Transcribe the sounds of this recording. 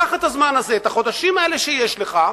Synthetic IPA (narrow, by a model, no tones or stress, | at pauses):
aχet̪hazmanazeːt̪aχo̞d̪aʃimae̞le̞ʃeje̞ʃleχa